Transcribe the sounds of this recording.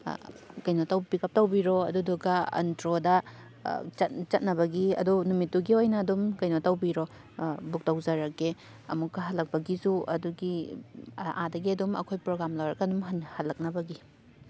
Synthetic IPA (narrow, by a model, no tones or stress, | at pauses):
kɐjnotɐwpikɐp̚tɐwbiɾoɐduduɡɐɐ̰ntɾodɐ | t͡ʃɐt̚t͡ʃɐt̚nɐbɐɡiɐ̰dunumitːuɡiojnɐːdumkɐjnotɐwbiɾo | buk̚tɐwzɐɾɐkːe | ɐ̰mukːɐɦɐlːɐk̚pɐɡisuɐ̰duɡi | ʔa̰dɐɡiɐdumɐ̰kʰojpɾoɡɾamlɐwɾɐkɐdumɦnhɐlːɐk̚nɐbɐɡi